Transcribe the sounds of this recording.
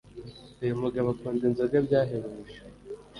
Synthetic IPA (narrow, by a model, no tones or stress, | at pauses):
ujomuɡaβakuːndinzaɡabɟaːɦeβumuʃa